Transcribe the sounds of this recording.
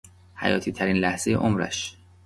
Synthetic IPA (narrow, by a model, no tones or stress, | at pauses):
hæ̰jɒ̰ːt̪ʰiːt̪ʰæɾiːnlæhz̥e̞je̞ʔomɾæ̰ʃ